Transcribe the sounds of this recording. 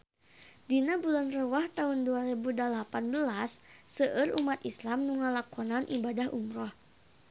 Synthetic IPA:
dinabulanrəwaht̪aɦunduaɾibudəlapanbəlasːəʔərumat̪islamnuŋalakɔnanʔibadahʔumɾɔh

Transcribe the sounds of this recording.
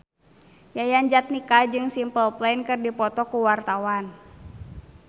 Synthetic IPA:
jajand͡ʒat̪̚nikad͡ʒɨŋsimpəlplankɨrdipɔt̪ɔkuwart̪awan

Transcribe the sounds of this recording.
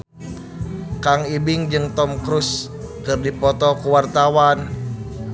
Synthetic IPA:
kaŋibɪŋd͡ʒɨŋt̪ɔmkɾʊs | kɨrdipɔt̪ɔkuwart̪awan

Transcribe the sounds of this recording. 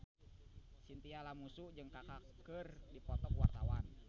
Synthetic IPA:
sint̪ialamusud͡ʒɨŋkakakərdipɔt̪ɔkwart̪awan

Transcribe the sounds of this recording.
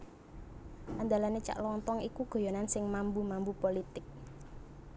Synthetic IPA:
ʔand̪alanet͡ʃa̰ʔlɔnt̪ɔŋikuɡ̥o̤jɔnansɪŋmambumambupolit̪ɪk̚

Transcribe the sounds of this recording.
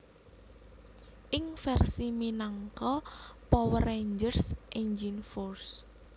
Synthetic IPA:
ʔɪŋfɛrsiminaŋkɔpɔwəreɲd͡ʒərsʔeɲd͡ʒinfors

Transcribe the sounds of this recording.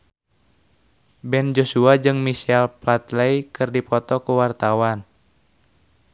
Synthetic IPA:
bɛnd͡ʒosuad͡ʒɨŋmisɛlplat̪leikɨrdipɔt̪ɔkuwart̪awan

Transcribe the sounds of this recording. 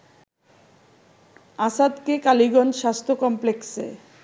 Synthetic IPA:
asad̪kekaliɡɔnʃast̪ʰokɔmpleksḛ

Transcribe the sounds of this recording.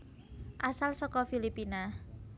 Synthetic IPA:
ʔasalsɔkɔfilipina

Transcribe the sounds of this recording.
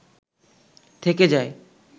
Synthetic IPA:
t̪ʰeked͡ʑae

